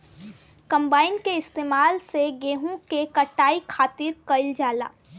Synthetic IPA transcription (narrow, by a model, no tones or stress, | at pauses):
kɐ̃mbaːɪnkeɪst̪eːmaːlseɡeːɦũkekɐʈaːikʰaːt̪ɪɾkɐɪld͡ʒaːla̰ː